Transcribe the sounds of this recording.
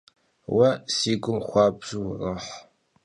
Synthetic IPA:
wɐsiːɡʷʊmχʷɑːbʒ̥ɨwrɨħ

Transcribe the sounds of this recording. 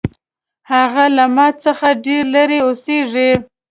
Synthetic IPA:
haɣalamɑt͡səxaɖeɾlaɾeoseʐe

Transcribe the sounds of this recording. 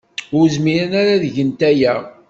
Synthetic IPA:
ʊɾzmiɾənaɾaðəʝənt̪æjæ

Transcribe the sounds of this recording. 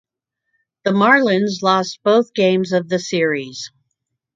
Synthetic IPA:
ðəmɑɹlɪ̃nzlɔstb̥oʊθɡ̥ẽɪ̃mzʌvðɨsɪɹiz̥

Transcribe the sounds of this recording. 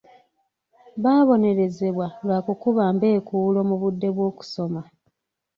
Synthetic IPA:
βaːβo̞ne̞ɾe̞ze̞βwalwaːkukuβaːmbe̞ːkulo̞muβudːe̞βwo̞ːku̥so̞ma

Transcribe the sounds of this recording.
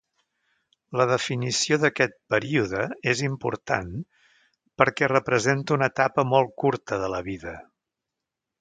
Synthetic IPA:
ləðəfinisioðəkɛt̪̚pəɾiuðəezimpṵɾt̪a̰n | pəɾkɛrəpɾəzent̪əunət̪apəmɔlˠkuɾt̪əðələβiðə

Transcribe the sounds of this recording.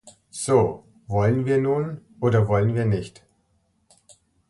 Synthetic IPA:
z̥oː | vɔlənviːɐnuːnʔoːdɐvɔlənviːɐnɪçt

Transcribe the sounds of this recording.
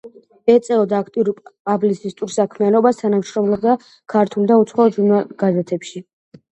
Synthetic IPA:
ɛt̪sʼɛvɔd̪aːkʰt̪ʼiuɾupʼpʼablisist̪ʼuɾsakʰmianɔbast̪ʰanamʃɾɔmlɔb̚d̪a | kʰaɾt̪ʰulˠd̪aut̪sʰχɔɔʒunaɡ̥azɛt̪ʰɛpʃi

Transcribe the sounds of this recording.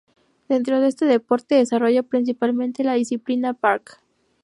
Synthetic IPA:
d̪̥e̞nt̪ɾo̞ðe̞st̪e̞ðe̞po̞ɾt̪eðesaro̞ʝapɾins̬ipalmẽ̞nt̪e̞laðisiplinapaɾk

